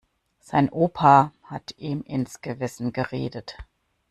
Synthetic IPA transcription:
z̥aɪnʔoːpʰahatʰʔiːmʔɪnsɡ̥əvɪsn̩ɡəʁḛːdət

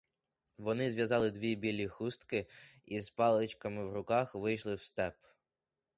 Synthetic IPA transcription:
ʋɔnɪzʲʋʲjɐzɑlˠɪd̪ʋʲibʲilʲːixust̪kɪizpɑlˠɪt͡ʃkɐmɪwrʊkɑxʋɪjʃlˠɪwst̪ɛp

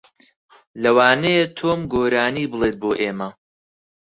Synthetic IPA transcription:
lɐwaːnejet̪ʰoːmɡoːɾaːniːbɨlˠeːt̪̚boːʔeːmɐ

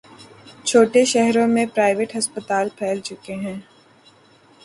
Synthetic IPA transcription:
t͡ʃʰoːʈeʃɛɦɾõmẽpɾaːɪʋeʈɦɐspət̪aːlpʰɛːlt͡ʃʊkeɦɛ̃ː

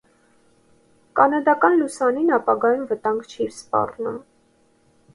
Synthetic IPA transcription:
kɑnɑd̪ɑkɑnlusɑninɑpɑɡɑjunvət̪ɑŋɡt͡ʃʰiɾspɑ̰rnum

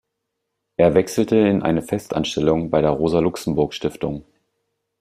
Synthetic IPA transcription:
ʔeːɐvɛksl̩təɪnʔa̰ɪnəfɛstʔa̰nʃtɛlʊŋbaɪɾeːɐʁoːzɐlʊksm̩bʊɐkʃtɪftʊŋ

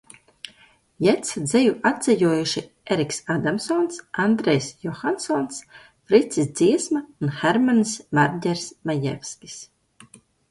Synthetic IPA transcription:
jɛt̪sd̪zɛjuad̪zɛjuɔjuʃi | eɾiksad̪amsɔnsand̪ɾejsjɔxansɔns | fɾit̪sisd̪ziɛsmaunxeɾmansmaɾdʲɛɾsmajɛ̰fʲskʲi̥s

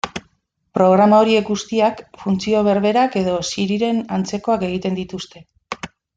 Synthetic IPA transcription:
pɾo̞ɣ̞ɾamao̞ɾie̞kɡust̪iakfunt͡sio̞β̞e̞ɾβe̞ɾake̞ð̞o̞siɾiɾe̞nant͡se̞koake̞ɣ̞it̪e̞nd̪it̪ust̪e̞

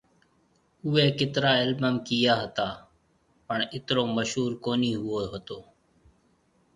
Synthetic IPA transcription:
ʊːeːkɪt̪ɾaːɪlməmkijaːɦət̪aː | pəɳɪt̪ɾoːməʃɦuːɾkoːniːɦʊoːɦət̪oː

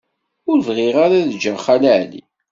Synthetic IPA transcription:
ʊɾvʁɪʁaɾaðd͡ʒəχalaʕlḭ

